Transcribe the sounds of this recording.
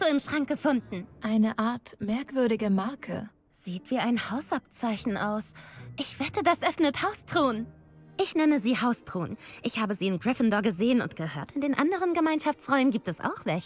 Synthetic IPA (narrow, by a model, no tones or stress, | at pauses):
tuːɪmʃʁ̥aŋk̚ɡ̥əfʊndn̩ʔaɪnəʔaɐtmɛɐkv̥ʏɐɾɪɡəmaɐkʰə̰ | z̥iːtv̥iːaɪnhaʊsap̚t͡saɪçn̩ʔaʊsʔɪçv̥ɛtʰədasʔœfnəthaʊstʁ̥oːn | ʔɪçnɛnəziːhaʊstʁ̥oːnʔɪçhaːbəziːɪnɡʁɪfəndɔɐɡəzeːənʊ̰ntɡ̥əhøːɐtɪndeːnʔa̰ndəʁənɡəmaɪnʃaft͡sʁ̥ɔʏmənɡiːp̚tɛsʔa̰ʊxv̥ɛç